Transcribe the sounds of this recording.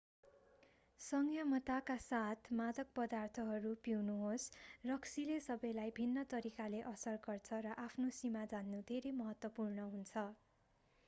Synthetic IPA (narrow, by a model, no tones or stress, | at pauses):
sʌŋɡʰjʌmʌt̪akasat̪ʰmad̪ʌk̚pʌd̪art̪ʰʌɦʌɾupiwnuɦosrʌksilesʌbʌjlajbʱinːʌt̪ʌɾikaleʔʌsʌrɡʌrt͡sʰʌɾʌʔapʰnosimad͡zanːud̪ʱeɾejmʌɦʌt̪wʌpurnʌɦunt͡sʰʌ